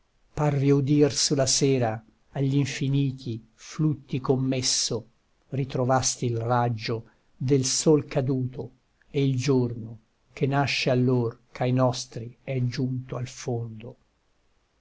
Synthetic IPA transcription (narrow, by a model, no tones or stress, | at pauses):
parviod̪irsulasɛːɾaː | ʎːiɱfiniːt̪ʰi | flut̪ːikomːesːo | rit̪ɾovast̪iːlrad͡ʒːo | d̪elsolkad̪uːt̪o | eild͡ʒorno | k̟enaʃːealːorkʰajnɔst̪ɾiɛd͡ʒunt̪oalfond̪o